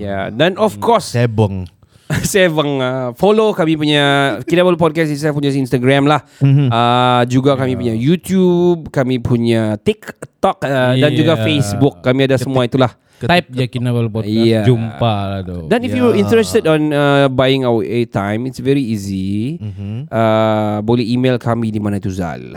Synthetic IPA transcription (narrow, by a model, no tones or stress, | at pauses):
ja̰danɔfkɔsbəŋ | sɛabəŋəfolokamĩpuɲakinabalup̬ɔd̚kɛsis̬aap̬uɲasinst̪aɡɾamlahəd͡ʒuɡakamĩpuɲajut̪jub̚kamipʰuɲat̪ikt̪ɔkədand͡ʒuɡafesbukːamĩadasəmuait̪ulah | ap̚jakinabolpɔjad͡ʒumpaladodanifjuwəĩnt̪ɾɛstədɔ̃nəbajɪ̃ŋawəʔet̪ãjmitsvɛɹiizi | ʔəbolɛhimelkʰamidimãnait̪uza̰l